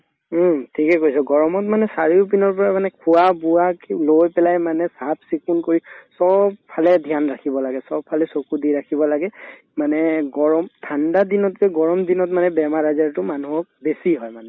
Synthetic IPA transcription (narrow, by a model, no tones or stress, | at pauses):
tʰikɛkojsɔɡɔɹɔmɔtmanɛsaɹiup̬inɔɹp̬ɔɹamanɛkʰʊabuaklojpɛlajmanɛsap̚ʰsikunkoɹisɔb̚pʰːalɛdʱjanɹakʰibɔlaɡɛsɔbʰalɛsokudiɹakʰibɔlaɡɛ | manɛɡɔɹɔmtʰandadinɔtkɛɡɔɹɔmdinɔtmanɛbɛmaɹazaɹtʊmanuɦɔk̚besiɦɔjmanɛ